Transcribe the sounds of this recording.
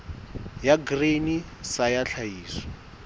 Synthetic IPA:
jaɡrenisajaɬʰajiːsɔ̥

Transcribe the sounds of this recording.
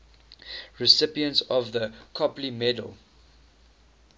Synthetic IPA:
ɹɪsɪpiə̃ntsɔvðəkʰɔplimɛdə̰l̩ˠ

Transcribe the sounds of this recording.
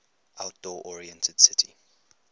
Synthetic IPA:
ʔaʊt̚d̥ɔːʔɔɹiɛ̃ntʰəd̥sɪtʰi

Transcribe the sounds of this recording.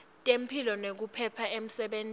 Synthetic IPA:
tʼem̩pʰilɔnek̬upʰɛpʰaem̩sɛɓen

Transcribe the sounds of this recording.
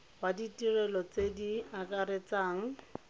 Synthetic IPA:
waditirɛlɔt͡sediakʼaɾet͡saːŋ̩

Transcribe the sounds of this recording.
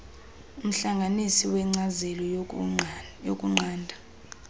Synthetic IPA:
um̩ɬaŋɡʱanisiwɛŋ͡ǀazɛlɔ | jokʼuŋ͡ǀʱaːndʱa

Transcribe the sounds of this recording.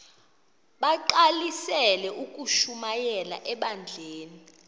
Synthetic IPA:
ɓaǃalisɛlɛʔukʼuʃumajɛla̰ʔɛɓand͡ɮʱeːni

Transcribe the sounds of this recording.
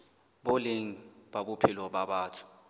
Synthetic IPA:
ɓoleŋiɓaɓupʰilɔɓaɓaːtʰu̥

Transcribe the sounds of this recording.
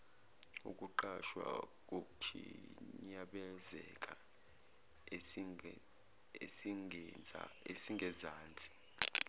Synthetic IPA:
ukʼuǃaʃwa̰k̬ʼokʰḭɲaɓɛzɛkʼa | e | esiŋɛaesiŋɡʱɛzaːnd͡zʱʼi̥

